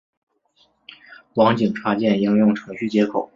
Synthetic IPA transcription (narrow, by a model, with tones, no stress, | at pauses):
wɑ˧˥ŋt͡ɕi˨˩ŋʈ͡ʂʰwa˥t͡ɕjɛ˥˩ni˥ŋjʊ˥˩ŋʈ͡ʂʰɤ˧˥ŋɕy˥˩t͡ɕjɛ˧˥kʰo˨˩˦